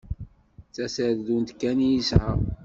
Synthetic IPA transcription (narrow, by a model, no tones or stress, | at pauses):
t͡sːæsəððunt̪kːænijisʕə